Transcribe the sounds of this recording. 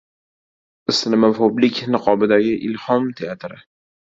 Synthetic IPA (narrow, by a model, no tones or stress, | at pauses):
ɪsnɪmapoblɪkʲnɨqʰɒbɪd̪aɡʲɪʔɪlhɒmt̪ʰeat̪ɾɪ